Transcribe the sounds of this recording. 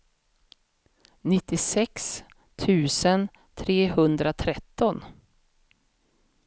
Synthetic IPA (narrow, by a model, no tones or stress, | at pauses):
nɪt̪ːɪsɛks | t̪ʰʉ̟ːsən | t̪ʰɾeːhɵnd̪ɾat̪ʰɾɛt̪ːɔn